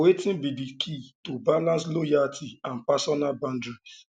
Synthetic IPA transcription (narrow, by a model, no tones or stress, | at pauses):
wetĩnbidikʰitobalãnslojaltʰiãnpasɔnalbãndɹis